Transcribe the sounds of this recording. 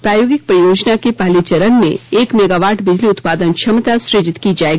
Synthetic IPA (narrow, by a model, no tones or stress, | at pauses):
pɾaːjoːɡɪk̚pɾɐjoːd͡ʒnakepaːlit͡ʃɐɾənmḛ̃eːkmeːɡaːʋaːɾʈʰbɪd͡ʒliʊt̪paːd̪ənt͡ʃʰɐmt̪asɾɪd͡ʒɪt̪kid͡ʒaːeːɡi